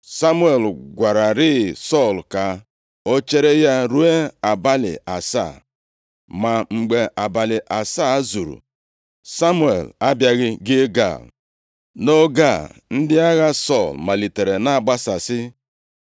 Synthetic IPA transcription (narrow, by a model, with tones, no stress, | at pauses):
sa˦mu˦e˨lɡʷa˨ɾa˨ɾɪ˦˨sɔ˦˨lka˨ | o˦t͡ʃe˦ɾe˦ja˦ɾu˦e˦a˨ba˦lɪ̰˨ʔa˨sa̰˦˨ | ma˨ŋ͡m̩˨ɡ͡be˨ʔa˨ba˨lɪ˨ʔa˨sa˦zu˨ɾṵ˨ | sa˦mu˦ḛ˨la˦bja˦ɣɪ˦ɡɪ˦ɡa̰˦˨l | no˦ɡa˦˨n̩˦dɪ˦a˦ɣa˦sɔ˦˨lma˨li˨te˨ɾe˨na˦a˨ɡ͡ba˦sa˨sɪ˦